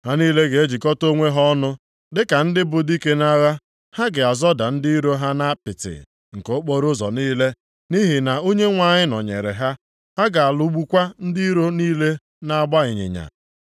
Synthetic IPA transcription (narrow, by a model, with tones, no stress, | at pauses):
ha˦niː˦le˦ɡe˨e˦d͡ʒi˨kɔ˦to˦ŋʷe˦ɦɔ˦nʊ˦ | dɪ˦ka˨n̩˦dɪ˦bʊ˨di˦ke˦na˦ɣa˦ | ha˦ɡɪ˨a˨zɔ˦da˨n̩˦di˦ɾo˦ɦa˦na˦pɪ˨tɪ̰˨ | ŋ̩˨ko˨˦ʊ˦k͡po˦ɾʊ˦zɔ̰˨niː˦le˦ | ni˦ɦɪ˨na˨o˦ɲe˦ŋʷa˨ɲɪ˦nɔ̰˨ɲḛ˨ɾḛ˨ɦa˦ | ha˦ɡa˨a˨lʊ˦ɡ͡bu˦kʷa˦n̩˦di˦ɾo˦niː˦le˦ | na˦a˦˨ɡ͡ba˦ɪ˨ɲɪ̰˨ɲa̰˨